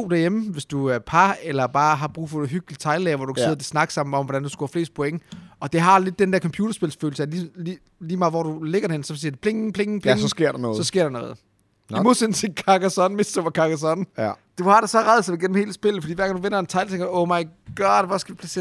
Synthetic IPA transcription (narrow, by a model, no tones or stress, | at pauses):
o̰ːd̥æɐjemʋe̝sd̥uæpʰɑelɐb̥ɑ̈ːɦɑ̈b̥ʁṵːfɒɦyɡ̥li̥t͡sʰɑ̈ɪlɛːɐʋɒ̰d̥ukʰse̝ð̰ˠd̥ʰesnɑ̈ɡ̥sɑ̈m̰n̩ɒ̽mʋɒɾ̥ænd̥usɡ̥uhɑfle̝̰ːsd̥̚pʰoeŋəɒ̽d̥e̝ɦɑ̈le̝d̥̚ːend̥æɐkʰɒ̽mpʰjuːɾɐsb̥e̝lsføːl̩səlii | liːmɑ̈ːʋɒ̰dule̝ɡ̥ɐɾ̥ehensɒ̽siɐd̥e̝pʰleŋ̩pʰle̝ŋ̩pʰleŋse̝ɐ̰ɾnɔːsɒ̽sɡ̥e̝ɐ̰dɑnɔ̽ːð̞̩ˠ | imo̝ðˠsensi̥kʰɑɡ̥æsɒnme̝sd̥əʋɑkʰɑɡ̥æsɒnd̥uhɑ̈ɾ̥esɒ̽ʁað̩ˠsɑiɡen̰m̩he̝ːləsb̥e̝lð̩ˠfdḭːʋæɐɡɑŋnduʋen̰ɐent͡sʰɑ̈ɪlt͡sʰeŋɡ̥ɐɔʊmɑ̈ɪɡ̥ɒːd̥ʋɒsɡ̥æʋipʰlæse̝̰ː